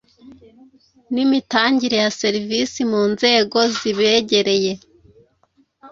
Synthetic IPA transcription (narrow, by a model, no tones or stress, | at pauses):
nimitaːɲɟiɾe̞jase̞ɾivisimuːnze̞ːɡo̞ziβe̞ɟe̞ɾe̞je̞